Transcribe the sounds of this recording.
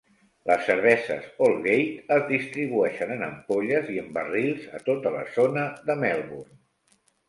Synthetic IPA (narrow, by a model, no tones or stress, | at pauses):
lʔə̰sːəɾβ̞ɛzə̰zolˠɣejt̪əzðist̪ɾiβ̞uɛʃənənə̰mpoʎəziəmbərilˠzə̰t̪ot̪ələ̰zonəðəmɛlˠβurn